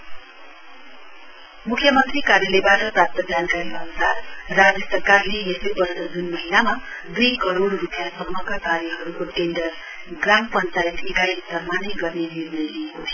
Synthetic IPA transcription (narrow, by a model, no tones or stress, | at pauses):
mukʰjʌmʌnt̪rikaɾjʌlebaʈʌprap̚t̪ʌd͡zankaɾiʌnusarrad͡zʌsʌrkarlejesʌjbʌrsʌd͡zunmʌɦinama | d̪ujkʌɾoɽrupjasʌmːʌkakaɾjʌɦʌɾukoʈenɖʌr | ɡrampʌnt͡saʈekajsd̪ʌrmaneɡʌrneniɾnʌjliekot̪ʰʌ